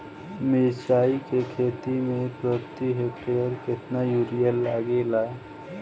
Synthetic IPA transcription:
mesaːikekʰeːt̪imẽpɾəɾt̪iɦekʈeəɾkɪt̪najuɾijəlːaːɡelaːe

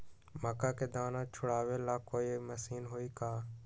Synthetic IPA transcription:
məkaːkeːd̪aːnãːt͡ʃʰʊɽaːʋeːlaːkoːiməsiːnɦoːiːkaː

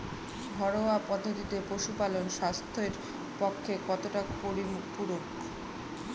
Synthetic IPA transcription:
bʱɔɽoapɔd̪ʱːot̪it̪epoʃupalonʃast̪ʰeɾ | pokʰːekɔt̪oʈapoɾimupuɾon

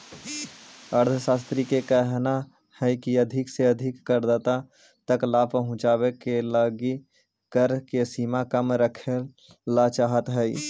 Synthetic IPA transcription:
əɾd̪ʰʱsaːst̪ɾikekɛɦna | hɛjkiəd̪ʱɪkseəd̪ʱɪkːəɾd̪ət̪a | t̪əklapəɦʊ̃t͡ʃaːwekeləɡi | kəɾkesiːmakəmɾəkʰe | lat͡ʃaːɦət̪ɦɛi

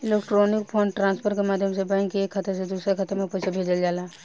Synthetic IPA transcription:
ɪlekʈɾonɪkpʰɔːɳɖʈɾãːnspʰəɾkemaːd̪ʱjəmsebãŋkːeeːkʰːət̪esed̪uːsɾekʰət̪emẽpɛɪsʰabʱeːd͡ʒəld͡ʒaːlaː

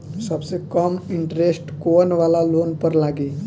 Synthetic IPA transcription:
səbsekəmiɳʈɾesʈkonʋalalonpəɾlaɡiː

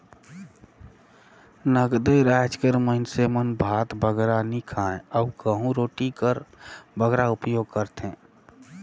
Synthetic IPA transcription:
nəɡd̪eɾaːd͡ʒkəɾməɦɪnsemənbʱaːt̪bəɡɾanikʰaẽəʊkəɦũɾoːʈikəɾbəɡɾaʊpjoːɡ̚kəɾt̪ẽː

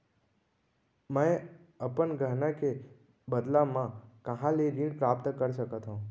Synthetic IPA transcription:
məe | əpəɳɡʱəɦnake | bəd̪lamãkəɦãleɾĩɳpɾap̚t̪kəɾʃəkət̪ɦõ

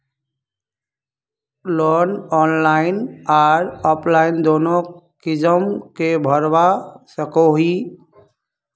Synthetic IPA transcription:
lɔnɔnlaɪnaɾɔpʰlaɪnd̪onokid͡ʒəmkebʱəɾʋasəkoɦi

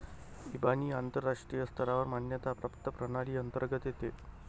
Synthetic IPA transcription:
ibaniːant̪əɾːaʂʈɾijəst̪ʰəɾaʋəɾmanjət̪apɾəpt̪əpɾəɽ̃aɭiːənt̪əɾɡət̪jet̪e

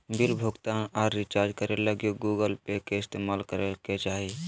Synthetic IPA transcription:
bɪlbʱoːɡt̪ãaːɾːɪt͡ʃaːɾd͡ʒkəɾeləɡjoɡuːɡəlpekeɪst̪eːmaːlkəɾeket͡ʃaːɦi

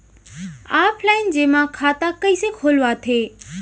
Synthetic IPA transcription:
aːpʰlaːɪnd͡ʑeːmãkʰaːt̪akɐisekʰoːlʋat̪ʰeː

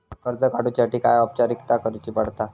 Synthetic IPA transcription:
kəɾd͡zəkaɽut͡ɕaʈiːkajəp̚t͡ɕaɾikt̪akəɾit͡ɕiːpaɽ̤t̪a

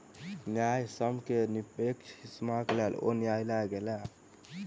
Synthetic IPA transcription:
njajsəmkenipekt͡ʃʰismakelelo̰njajlaɡela

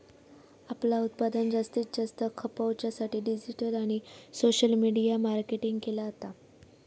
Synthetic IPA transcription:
aplaut̪̚pad̪ənd͡ʑast̪iːt̪̚d͡ʑast̪əkʰəpəwt͡ɕjasaʈiːɖid͡ʑiʈəlaɽ̃isoɕəlmiɽijamaɾkeʈiŋɡkelaːt̪a

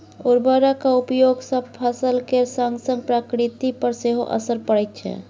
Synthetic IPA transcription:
oɾbəɾakaupjoɡsəb̚pʰəsəlkeɾsaŋɡsəŋɡpɾakɾit̪ipəɾseɦo̰ʔə̰səɾpəɽɛt̪̚t͡ʃʰɛ̰

